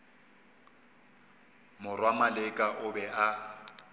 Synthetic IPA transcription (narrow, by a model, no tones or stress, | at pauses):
mʊrwamalɪkʼaʔʊbɛʔa